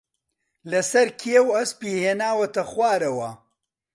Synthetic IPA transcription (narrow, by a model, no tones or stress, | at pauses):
lɐsɐɾkʰiewɐspiːheːnaːwɐt̪ɐχwaːɾɐwɐ